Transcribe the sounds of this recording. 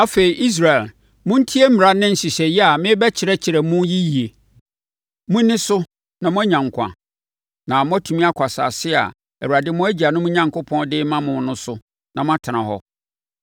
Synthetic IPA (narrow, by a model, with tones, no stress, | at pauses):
a˦fe˨i˨ʔi˦s̬ɾa˨ɛ˨l | mʊ̃˦n̩˦tʰi˦e˦m̩˦mɪ̃˨ɾa˦nɪ̃˦n̩˨si˨ɕɛ˨jɛ˦a˨mɪ̃˦bɛ˦t͡ɕʰɪ˨ɾɛ˦t͡ɕʰɪ˨ɾɛ˨mʊ̃˦ji˦ji˨e˨ | mʊ̃˦nɪ̃˦sʊ˦ | nã˨mʊ̃˦æ˦ɲã˨ŋkʷʰã̰˨ | nã˨mʊ̃˦æ˦tʰu˨mĩ˦a˦kʷʰa˨sa̰ː˨sɪ˦a̰˨ | ɛ˨u˨a˨dɪ˦mʊ̃˦æ˦d͡ʑi˨a˨nʊ̃˦mʊ̃˦ɲã˨ŋkʰʊ˦pʰɔ̃˦ndɪ˦mã˦mʊ̃˨˦nʊ̃˦sʊ˦ | nã˨mʊ̃˦a˦tʰa˨nã˨hɔ̰˦